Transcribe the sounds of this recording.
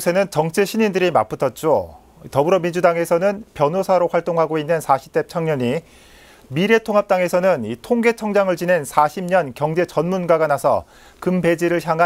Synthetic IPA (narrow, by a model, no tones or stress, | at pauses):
sʰe̞nɯnt͡ɕʌŋt͡ɕʰeɕʰiɲindɯɾima̰p͈ɯtʰʌt̚t͡ɕ͈o̰ | tʌbɯɾʌmind͡ʑudaŋe̞sʰʌnɯnpjʌnɦosʰaɾoɸwaɭt͈oŋɦaɡoinːɯnsʰaɕʰi̥p̚t͈e̞p̚t͡ɕʰaŋɲʌɲi | miɾe̞tʰoŋɦap̚t͈aŋe̞sʰʌnɯnitʰoŋɡe̞t͡ɕʰʌŋd͡ʑaŋɯɭt͡ɕine̞nsʰaɕʰimɲʌnkjʌŋd͡ʑe̞t͡ɕʌnmunɡaɡanasʰʌ̰ | kɯmbe̞d͡ʑiɾɯɭçjaŋɦa